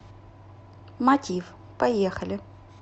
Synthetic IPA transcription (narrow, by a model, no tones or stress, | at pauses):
mɐtʲif | pɐjexɐlʲɪ